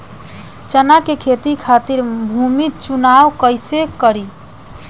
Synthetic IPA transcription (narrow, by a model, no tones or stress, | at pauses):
t͡ʃənakekʰet̪ikʰat̪iɾbʱumit͡ʃunawkəjsekəɾi